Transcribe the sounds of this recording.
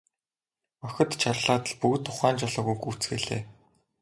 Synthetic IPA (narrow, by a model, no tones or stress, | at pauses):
œxʲɪ̆t̪t͡ɕʰarɮaːt̪ə̆ɮpukt̪ʰːʊχæːnt͡ɕɔɮɞ̆ɣujkut͡sɡeɮḛː